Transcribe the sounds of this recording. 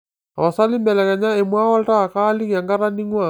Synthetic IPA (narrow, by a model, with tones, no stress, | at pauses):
a˨sa˦li˦mbɛ˨lɛ˨ɣɛ˨ɲa˦e˨mwa˦wɔ˦ltaː˦˨kaː˦li˦ɣa˨ŋɡa˦ɾa˦ni˦ŋwa˨